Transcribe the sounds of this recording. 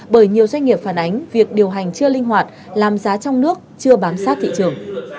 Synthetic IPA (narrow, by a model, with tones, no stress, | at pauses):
ɓəː˧˩jɲi˨˩əwzwa˧jŋ̟ŋi˨˩əp̚faː˧˩nʔa˨˦jŋ̟vi˨˩ək̚ɗi˨˩əwɦa˨˩jŋ̟t͡ɕɨ˧əlï˧ŋ̟ɦwaː˨˩t̚ | laː˨˩mzaː˨˦t͡ɕɔ˧wŋ͡mnɨ˦˥ək̚t͡ɕɨ˧əɓaː˨˦nsaː˦˥t̚t̪ʰḭ˧˨t͡ɕɨ˨˩əŋ